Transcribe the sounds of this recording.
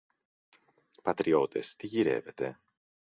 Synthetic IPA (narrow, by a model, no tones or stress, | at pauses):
pɐt̪ɾio̞t̪e̞st̪iʝiɾe̞̰ve̞t̪e̞